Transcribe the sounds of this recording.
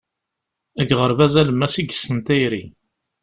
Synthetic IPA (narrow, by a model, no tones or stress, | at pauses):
əɡʁəɾvæzæləmːæsiɡəsənt̪æjɾi